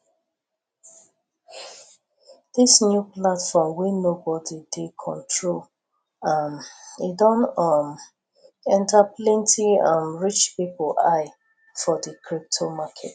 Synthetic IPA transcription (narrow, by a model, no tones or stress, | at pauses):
d̥isnjuplatfɔmwinobɔdidekʰɔ̰̃ntʰɹol | amidɔ̃nʌm | ɛ̃ntaplɛ̃ntʰiʌ̃mɹit͡ʃpipla̰ɪ | fɔdəkʰɹip̚tʰomakʰɛt